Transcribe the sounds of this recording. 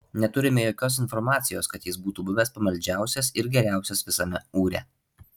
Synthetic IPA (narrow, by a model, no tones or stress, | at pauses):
nʲɛt̪ʊɾʲɪmʲɛjoːkʲoːs̬ɪnfɔɾmɑːt̪sʲɪjoːskɐt̪jɪsbuːt̪uːbʊʋʲɛspɐmɐlʲd͡ʒʲæˑʊsʲɛsɪɾɡʲɛɾʲæˑʊsʲɛsʋʲɪsɐmʲɛuːɾʲɛ̰